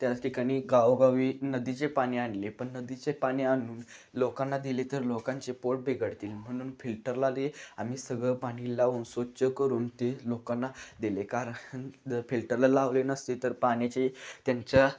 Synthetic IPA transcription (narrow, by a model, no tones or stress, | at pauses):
t̪jat͡sʈʰikaɽ̃iːɡaʋɡaʋiːnəd̪it͡sepaɽ̃ianlepəɳːəd̪it͡sepaɽ̃iaɽ̃uːn | lokanːad̪ilet̪əɾlokãɲt͡sepoʈ̚bʱeɡəɽt̪iːlm̤əɽ̃uːnfilʈəɾlaleam̤iːsəɡɭəpaɽ̃ilaunsʋət͡ɕəkəɾuːnt̪elokanːad̪ilekaɾəəɳfilʈəɾlalaʋlenəst̪et̪əɾpaɳjat͡ɕet̪jaɲt͡ɕja